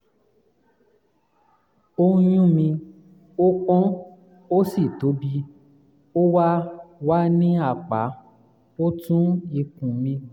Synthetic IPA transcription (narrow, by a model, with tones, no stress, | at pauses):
o˧˦jũ˦mĩ˧ | o˦k͡pɔ̃˦ | o˦si˦˨to˨˦bi˦ | o˦wa˦wa˦nĩ˦a˦˨k͡pa̰˨˦ | o˦tũ˦i˧kũ˨mĩ˧